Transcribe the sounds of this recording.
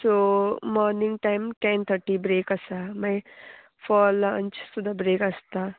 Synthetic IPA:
somɔːɾniŋɡʈajmʈẽnt̪ʰəʈibɾeːkɐsamaj | fɔːlɐnt͡ʃsud̪ʱabɾeːkɐst̪a

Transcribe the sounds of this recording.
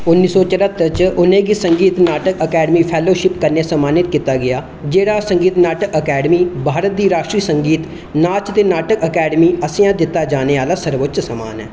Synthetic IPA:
ʊnːiːsɔːt͡ʃəɾət̪ːət͡ʃʊnẽːɡiːsəŋɡiːt̪naːʈəkəkɛːɖmiːpʰɛːloːʃɪpkəɾnejaːsəmaːnɪt̪kiːt̪ːaːɡɪaː | d͡ʒeːɽaːsəŋɡiːt̪naːʈəkəkɛːɖmiːbʱaːɾət̪̚d̪iːɾaːʃʈɾiːsəŋɡiːt̪ | naːt͡ʃt̪eːnaːʈəkəkɛːɖmiːəsẽːãːd̪ɪt̪ːaːd͡ʒaːneːaːlaːsəɾʋət̪ʃsəma̰ːnɛ̰ː

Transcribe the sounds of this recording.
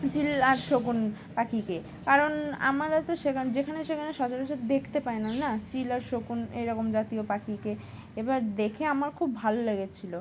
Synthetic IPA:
t͡ɕilaɾʃokun | pakike | kaɾona̰maɾat̪oʃekʰad͡ʑekʰaneʃekʰaneʃɔd͡ʑaɾeʃad̪d̪ekʰt̪epaenanat͡ɕilaɾʃokunḛjɾɔkomd͡ʑat̪iopakike | ebaɾd̪ekʰeamaɾkʰubːʱaloleɡet͡ɕʰilo

